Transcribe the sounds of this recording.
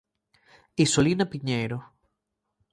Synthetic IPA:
isolinapiɲeɾo

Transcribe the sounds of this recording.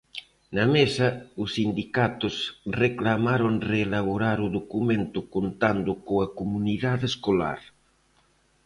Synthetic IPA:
nɐmesɐʊsːind̪ikat̪ʊsreklamaɾoŋreːlaβoɾaɾuðokumẽnt̪ʊkont̪and̪ʊkoakomuniðaðeskola̰ɾ

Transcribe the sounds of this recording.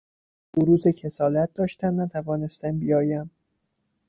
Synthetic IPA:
b̥oɾuːzecʰe̞sɒːlæt̪̚d̪ɒːʃt̪æmnæt̪ʰævɒːne̞st̪æmbijɒːjæm

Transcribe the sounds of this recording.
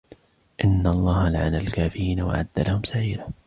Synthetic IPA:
ʔɪnːalˤːɑːhalaʕanalkaːfɪɾiːnawa̰ʕa̰d̪ːalahʊmsaʕiːla

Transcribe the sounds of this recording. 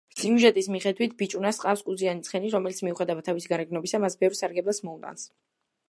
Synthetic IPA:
simuʒɛt̪ʼismiχɛd̪wit̪ʰbit͡ʃʼunasqʼafskʼud̪zianit̪sʰχɛniɾɔmɛlit̪sʰmiuχɛd̪awat̪ʰavisiɡaɾɛɡnɔbisamasbɛvɾsaɾɡɛbˠɛsmɔut̪ʼa̰ns

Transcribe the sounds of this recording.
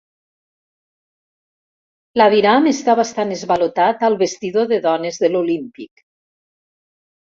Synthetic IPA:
laβiɾamest̪aβast̪anezβalot̪at̪alˠβest̪iðoðeðɔnezðelolimpik

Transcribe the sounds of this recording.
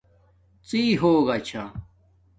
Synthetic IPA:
t͡siːɦoːɡɐt͡ɕʰa

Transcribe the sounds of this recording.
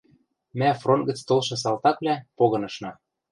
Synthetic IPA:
mæfront̪̚ɡə̆t͡st̪olʃɤ̆s̬ɑlt̪ɑkβlʲæpoɣɤ̆nɤ̆ʃnɑ

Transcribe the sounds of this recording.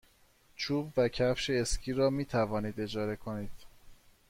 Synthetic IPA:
t͡ʃʰuːbvæcʰæfʃeescʲʰiːɾɒːmiːt̪ʰævɒːniːd̪e̞d͡ʒɒːɾe̞kʰoniːd̪̥

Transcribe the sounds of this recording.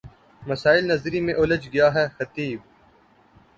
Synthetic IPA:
mɐsaːɪlnɐzɾimẽʔʊləd͡ʒɡɪjaɦɛːxɐt̪iːb̚

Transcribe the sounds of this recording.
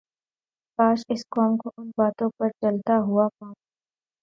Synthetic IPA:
paːʃɪskɔːmkoʔʊnbaːt̪õpɐɾt͡ʃɐlt̪aɦuapaːk

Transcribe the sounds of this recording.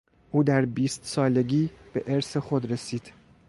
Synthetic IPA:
ʔuːd̪æɾbiːst̪sɒːle̞ɡiːb̥e̞ʔeɾsexod̪ɾe̞siːd̪̥

